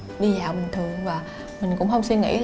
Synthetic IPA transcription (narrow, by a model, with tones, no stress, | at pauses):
ɗi˧zaː˨˩wɓï˨˩ŋ̟t̪ʰɨ˨˩əŋvaː˨˩ | mï˨˩ŋ̟kʊ̰˧˥ŋ͡mhə˧wŋ͡mswi˧ŋḭ˧˥l